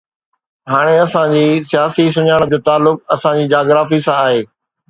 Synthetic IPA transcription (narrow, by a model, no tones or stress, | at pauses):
ɦaːɽ̃eɐsãd͡ʑiːsijaːsis̬ʊɲaːɽ̃d͡ʑoːt̪aːlːʊkɐsãd͡ʑiːd͡ʑaːɡɾaːfisãaːɦeː